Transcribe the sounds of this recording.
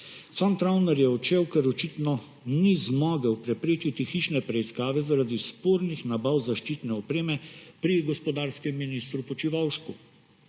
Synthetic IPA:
sant̪ɾawnɛɾjɛɔt͡ʃewkɛɾɔt͡ʃit̪nɔ | nizmɔːɡəwpɾɛpɾeːt͡ʃit̪ixit͡ʃnɛpɾɛiskaːʋɛzaɾad̪ispoɾnixnabawzaʃt͡ʃiːt̪nɛɔpɾeːmɛpɾiɡɔspɔd̪aːɾskɛmːinist̪ɾupɔt͡ʃiʋawʃku

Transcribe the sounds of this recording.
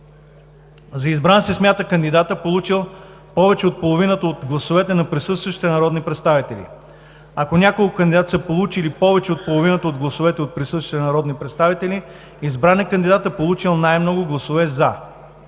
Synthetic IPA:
zɐizbɾansismʲjat̪əkənd̪id̪at̪əpolˠut͡ʃilˠ | pɔvɛt͡ʃɛot̪̚polˠovinət̪əot̪ɡlˠɐsovɛt̪ɛnɐpɾisɤst̪vəʃi̥t̪ɛnɐɾɔd̪nipɾɛt̪st̪avit̪ɛlḭ | ɐkonʲakolˠkʊkɐnd̪ʲid̪at̪səpolˠut͡ʃilipɔvɛt͡ʃɛot̪̚polˠovinət̪əod̪ɡlˠɐsovɛt̪ɛot̪̚pɾisɤst̪vʃit̪ɛnɐɾɔd̪nipɾɛt̪st̪avit̪ɛli | izbɾanɛkənd̪id̪at̪əpolˠut͡ʃilˠnajmnɔɡʊɡlˠɐsovɛza

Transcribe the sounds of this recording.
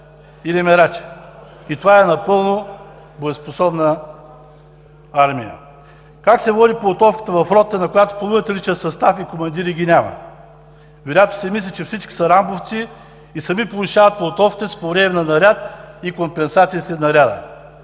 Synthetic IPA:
ilɛmɛɾat͡ʃɛ̥ | it̪ovaɛnɐpɤlˠno | boɛsposɔbnə | aɾmḭjə̰ | kaksɛvɔd̪iplˠot̪ɔfkə̥t̪əvɐfɾɔt̪ːənɐkojat̪o̥pɐlˠuət̪ɐlit͡ʃət̪sɐst̪afikomɐnd̪iɾiɡʲinʲamɐ̰ | ɡoɾʲat̪ʊ̥sɛmislʲit͡ʃɛfsit͡ʃkʲi̥sɐɾamboft̪siː | sɐmipolˠuʃavɐt̪̚plˠot̪ɔfkʲi̥t̪ɛspovɾɛmɛnɐnɐɾʲat̪ikompɛnsat̪sijisɛnɐɾʲad̪ə̰

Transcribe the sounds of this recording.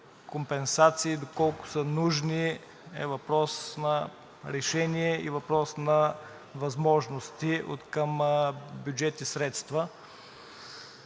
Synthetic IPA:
kompɛnsat̪siːd̪okɔlˠkʊ̥sənuʒni | ɛ̰vɐpɾɔsnɐ | ɾɛʃɛniɛivɐpɾɔsnɐ | vɐzmɔʒnost̪iʔo̰t̪kəmbjud͡ʒɛt̪isɾɛt̪st̪və

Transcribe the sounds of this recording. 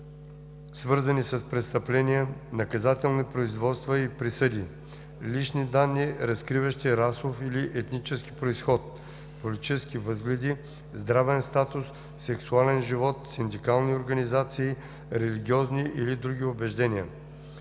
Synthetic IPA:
svɤɾzɐnisɐspɾɛt̪st̪ɐplɛniənɐkɐzat̪ɛlˠnipɾoizvɔt̪st̪vəipɾisəd̪i | liʃnid̪anːiɾɐskɾivɐʃt̪iɾasofiliʔɛt̪nit͡ʃɛskipɾoisxɔt̪̚ | polʲit̪i̥t͡ʃɛskivɤzɡlʲɛd̪i | zd̪ɾavɛnst̪at̪ʊsː | ɛksualɛnʒivɔt̪sind̪ikalˠnioɾɡɐnizat̪siː | ɾɛliɡʲiɔzniʔilid̪ɾuɡ̟iʊbɛʒd̪ɛniə̰

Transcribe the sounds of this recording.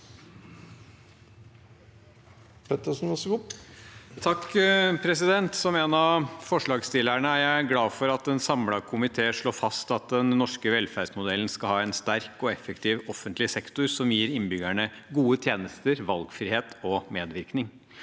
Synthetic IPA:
pʰɛt̪əʂn̩ɔsʊ | t̪ʰɑkːpʰɾɛsɪd̪ɛnt̪sɔmeːnɑfɔʂɭɑːɡst̪ɪlæɳəæɾææɡlɑːfɔɾɑt̪̚d̪ɛnsɑmlɑkʰʊmɪt̪ʰeːəʂɭoːfɑst̪ɑt̪̚d̪ɛnnɔʂkəʋɛlfæɾsmʊd̪ɛln̩skɑlhɑːɛnst̪æɾkɔɛfəkt̪ʰiːʋɔfənt̪lɪsɛkt̪ʊɾsɔmjiːɾɪnbʏɡæɳə | ɡuːət̪ʰjeːnəst̪əɾʋɑlɡfɾiːheːt̪ɔmeːd̪ʋɪɾknɪŋ

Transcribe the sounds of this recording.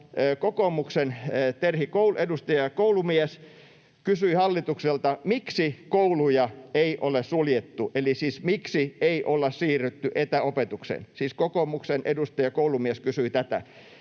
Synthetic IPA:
kokomuksenːt̪erhikouluedust̪ɑjɑkoulumies | kysyihɑlːit̪ukselt̪ɑmiksikoulujɑeiʔolessuljet̪ːuʔelisiːsmiksieiʔolːɑssiːryt̪ːyʔet̪æopet̪uksḛnsiːskokoːmuksenʔḛdust̪ɑjɑkoulumieskysyit̪æt̪æ̰

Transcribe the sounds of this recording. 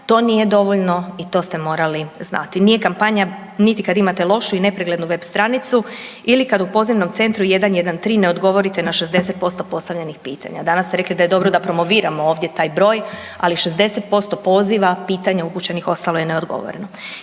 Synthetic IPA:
t̪o̞ːnije̞d̪o̞ʋoʎno̞it̪o̞ːst̪e̞mo̞ːɾalizna̰t̪inije̞kampaɲa | nit̪ikad̪imat̪e̞lˠo̞ʃuine̞pɾeɡle̞d̪nuʋe̞bst̪ɾanit̪su | ilikad̪upo̞ziʋno̞mt̪se̞nt̪ɾuje̞d̪anje̞d̪ant̪ɾiːne̞o̞d̪ɡo̞ʋo̞ɾit̪e̞naʃe̞zd̪e̞se̞t̪̚po̞st̪o̞po̞st̪aʋʎenixpiːt̪ʰa̰ɲa̰d̪anast̪eɾe̞klid̪aje̞d̪o̞bɾod̪apɾo̞mo̞ʋiːɾamooːʋd̪jet̪aːjbɾo̞ːj | aliʃe̞zd̪e̞set̪̚po̞st̪o̞po̞ːziʋapiːt̪aɲauput͡ɕe̞nixo̞st̪alojeneo̞d̪ɡo̞̰ʋo̰ɾḛno

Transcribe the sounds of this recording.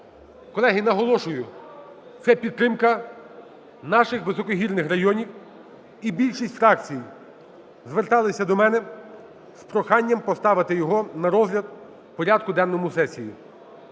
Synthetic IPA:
kɔlˠɛɦɪnɐɦɔlˠɔʃʊjʊ | t̪sɛpʲid̪̚ːɾɪmkɐ | nɑʃɪxʋɪsɔkɔɦʲirnɪxrɐjɔnʲiw | ibʲilʲʃisʲtʲfɾɑkt͡sʲiji | zʋert̪ɑlˠɪsʲɐd̪ɔmɛnɛ | spɾɔxɑnʲːɐmpɔst̪ɑʋɪt̪ɪjɔɦɔnɐɾɔzɦlʲɐd̪̚ | pɔɾʲad̪̚kʊd̪ɛnːɔmʊsɛsʲijḭ

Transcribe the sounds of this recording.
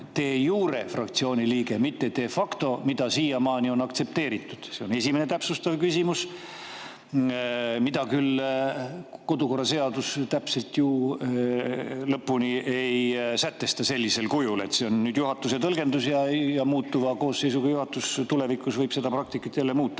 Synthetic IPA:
t̪e̞ːjuːɾe̞frɑk̚t̪sio̞ːnʲiliːɡe̞mit̪ːet̪e̞ːfɑkt̪o̞mid̪̥ɑsiːjɑmɑːnio̞nɑkt̪se̞p̚t̪e̞ːɾit̪ːˑud̪̥seo̞ne̞simenet̪æpsust̪ɑvkysimus | mid̪̥ɑkyl | ko̞d̪uko̞rːɑse̞ɑd̪ust̪æpse̞lt̪ju | lɤpːuniejsæt̪ːe̞st̪ɑse̞lʲːise̞lkujule̞̰t̪seo̞nːyːd̪̥juɦɑt̪ːˑuset̪ɤlɡe̞nd̪usjɑjɑmuːt̪ːuvɑko̞ːsːejsuɡɑjuhɑt̪ːˑust̪ule̞vikˑusvɤjb̥se̞d̪ɑpɾrɑk̚t̪ikːˑɑt̪ːˑjælːe̞muːt̪ˑːɑ̥

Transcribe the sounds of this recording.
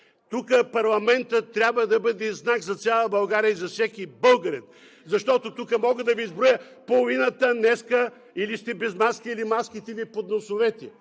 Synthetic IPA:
t̪ukəpɐɾlˠɐmɛnt̪ət̪ːɾʲjabvəd̪ɐbɤd̪ɛznakzɐt̪sʲjalˠəbɐlˠɡaɾijəizɐfsɛkibɤlˠɡəɾɛt̪ | zɐʃt̪ɔt̪ot̪ukəmɔɡəd̪ɐviːzbɾojə | polˠʊvinət̪ənɛskə | ilist̪ɛbɛzmaskiilimaskit̪ɛvipod̪nosʊvɛt̪ʲɛ

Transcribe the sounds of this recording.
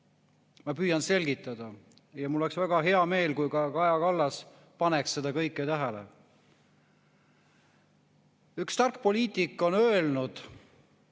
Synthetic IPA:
mɑpyːjɑnse̞lɡit̪ːˑɑd̪̥ɑ | jɑmuloːeksvæɡ̥ɑɦe̞ɑme̞ːlkujkɑkɑjɑkɑlːɑs | pɑneksːed̪̥ɑkɤjkːˑet̪æɦælḛ | ykst̪ɑrk̚po̞liːt̪ˑikˑːo̞nø̞elnud̪̥

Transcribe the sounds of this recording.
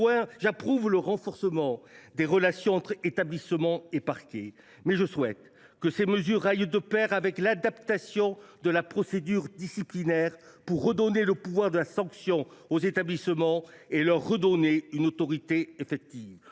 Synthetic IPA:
ɛ̃ʒapχuvləʁɑ̃fɔʁsəmɑ̃d̪eʁəlasjɔ̃ɑ̃t̪χet̪ablismɑ̃epaʁkʲe | mɛʒəswɛt̪ | kəseməzyʁajd̪əpɛʁavɛklad̪apt̪asjɔ̃d̪əlapχɔsed̪yʁd̪isiplinɛʁ | puʁːəd̪ɔneləpuvwaʁd̪əlasɑ̃ksjɔ̃ozet̪ablisəmɑ̃elœʁːəd̪ɔneynot̪ɔʁit̪eefɛk̚t̪iv

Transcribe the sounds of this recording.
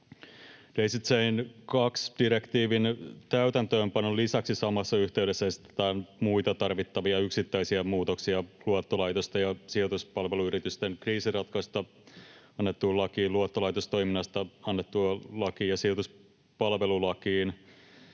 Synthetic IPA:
d̥ejsit̪seinkɑksd̥iɾe̞kt̪iːʋint̪æyt̪ænt̪øːmpɑnːolisæksisɑmɑsːɑyçt̪eydesːæesi̥t̪ːe̥t̪æːnmujt̪ɑt̪ɑrʋit̪ːɑʋiɑyksit̪ːæisiɑmuːt̪o̞ksiɑluot̪ːolɑjt̪ost̪ɑjɑsiot̪uspɑlʋe̞luyɾit̪yst̪enkriːsirɑt̪kɑst̪ɑ | ɑnːet̪ːulɑkiːluot̪ːolɑjt̪ost̪o̞iminːɑst̪ɑɑnːet̪ːuɑlɑkiːjɑsiot̪us | pɑlʋe̞lulɑkiːn

